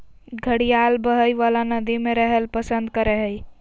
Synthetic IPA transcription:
ɡʱəɽijalbəɦəjʋalanəd̪imeɾəɦəlpəsənd̪kəɾɛɦəj

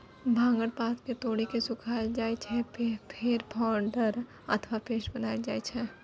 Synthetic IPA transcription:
bʱãːŋɡəɽpaːt̪ket̪oːɽikesʊkʰaːd͡ʒaːet͡ʃʰɛppʰeɾpʰaːɳɖəɾ | ə̰t̪ʰʋapeːʃbənaːed͡ʒaːet͡ʃʰɛː

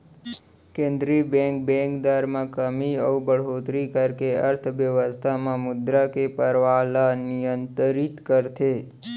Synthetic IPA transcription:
kẽnd̪ɾibɛ̃ŋk̚bɛ̃kd̪aɾmãkəmiəubəɽɦot̪ɾikəɾkeəɾt̪ʰʋjəʋəst̪ʰamãmʊd̪ɾakepəɾʋalanijənt̪əɾit̪kəɾt̪ʰe

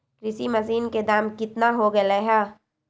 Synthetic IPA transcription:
kɾɪsimɐsiːnked̪aːmkɪt̪naɦoɡɐleɦɛː

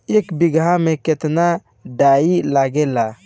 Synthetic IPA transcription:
ekbiɡameket̪na | ɖailaɡela

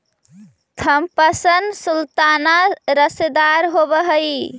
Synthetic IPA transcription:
t̪ʰəmpəsənd̪sult̪anaɾəsed̪aɾɦobəɦəj

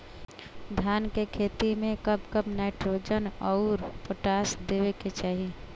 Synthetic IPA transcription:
d̪ʱjaːnkekʰeːt̪imẽkəbkəbnɛːʈɾoːd͡ʒənɔːʊɾpoʈaːsd̪eːweket͡ʃaːɦi

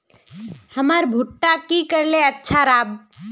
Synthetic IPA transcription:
həməɾbʱuʈːakikəɾleətːʃʰaɾaːb

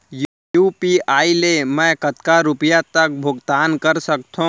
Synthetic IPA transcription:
j | jupiaːilemə̃kət̪kaɾupjat̪ək̚bʱʊɡt̪aːnkəɾsək̚t̪ʰũ

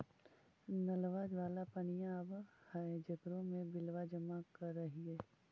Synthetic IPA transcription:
nɐlʋaːd͡ʒʋaːlapɐnijãbəhad͡ʒɐkɾõmẽbɪlʋad͡ʒɐmakɐɾːɐɦiɦɛː

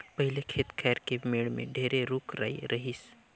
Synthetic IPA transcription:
pɐɦɪlekʰeːt̪kʰɛːɾkemeːɽmḛ̃ɖʱeːɾeɾuːkɾa̰ːiɾɐɦis

